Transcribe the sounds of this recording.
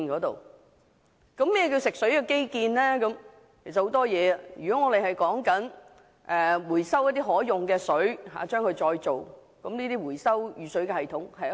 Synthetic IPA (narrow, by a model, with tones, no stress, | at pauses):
kɔː˨˥t̪o̰˨w | kɐ˨˥mːɛː˥ɛ˧k̬iː˧wsɪ˨k̚sɵ˨˥ɥkɛ˧ke˥jkiː˧nlɛː˥kɐ˨˦˥m | kʰe˨˩sɐ˨ho˨˥wt̪ɔː˥jɛː˨˧jyː˨˩kɔ˨˥ŋɔː˨˧ɾe˨jhɐ˨jkɔː˨˥ŋkɐ˨˥n | ʔɛ˨wuː˨˩jsɐ˥wjɐ˥t̪̚iː˥ɦɔː˨˥jʊ˨ŋkɛː˧sɵ˨˥ɥɦa̰ː˨˦t͡ʃœː˥ŋkʰɵ˧ɥt͡ʃɔː˧jt͡so˨w | kɐ˨˥mniː˥t̪iː˥wuː˨˩jsɐ˥wjyː˨˧sɵ˨˥ɥkɛ˧hɐ˨jt̪ʰʊ˨˥ŋhɐ˨j